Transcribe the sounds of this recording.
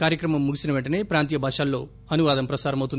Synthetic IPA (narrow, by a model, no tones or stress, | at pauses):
kaːɾjɐkɾɐmɐmːuɡisinɐʋɛɳʈɐne̞ːpɾaːnt̪ijɐbʱaːʂaːlːo̞ː | ɐnuʋaːd̪ɐmpɾɐsaːɾɐmɐwt̪und̪